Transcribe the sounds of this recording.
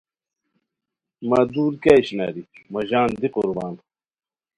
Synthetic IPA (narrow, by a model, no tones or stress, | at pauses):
maːd̪uːɾkaːjɕna̰ːɾimɐʑaːnd̪iquɾbaːn